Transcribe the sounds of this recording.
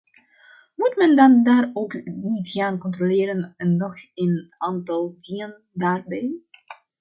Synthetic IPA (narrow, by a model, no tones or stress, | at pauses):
mutmɛndɑndaːrowknitχaːnkɔntrolɪːɾənənːɔχenaːntɑlˠdiən | daːrbɛj